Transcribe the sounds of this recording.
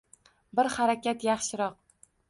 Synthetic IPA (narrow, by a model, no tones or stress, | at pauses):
bɪɾhaɾakʲat̪jɑχʃɪɾɒq